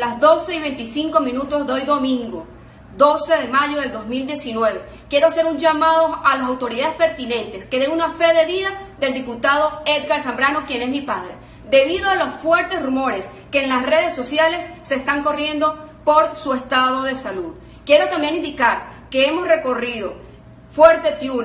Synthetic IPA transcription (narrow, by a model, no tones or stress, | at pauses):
lazðo̞se̞iβe̞nt̪isiŋko̞mĩnut̪o̞zðeojðo̞mĩŋɡo | d̪o̞se̞ðe̞maʝo̞ð̞e̞ld̪o̞zmild̪je̞sinwe̞βe̞ | kje̞ɾoase̞ɾund͡ʒamað̞o̞alasawt̪o̞ɾiðaðespe̞ɾt̪inẽ̞nt̪e̞ske̞ðeŋunafe̞ðe̞βiðaðe̞ld̪iput̪aðo̞e̞d̪ɣaɾsambɾanokje̞ne̞smipaðɾe̞̰ | d̪e̞βiðoalo̞sfwe̞ɾt̪e̞srumo̞ɾe̞s | ke̞ːnlasre̞ð̞e̞sːosjale̞sːe̞ːst̪aŋko̞rje̞nd̪o̞po̞ɾsue̞st̪aðo̞ðe̞saluð | kje̞ɾo̞t̪ambje̞nind̪ikaɾke̞emo̞sre̞ko̞riðo̞ | fwe̞ɾt̪e̞t̪ju